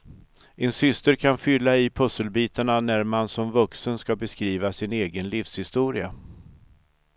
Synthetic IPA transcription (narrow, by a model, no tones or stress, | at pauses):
ʔɛnsʏst̪əɾkʰanfʏlːaɪpʰɵsəlbiːt̪aɳanæɾmansɔmvɵksənskabɛskɾiːvasɪneːɡənlifshɪst̪uːɾɪa̰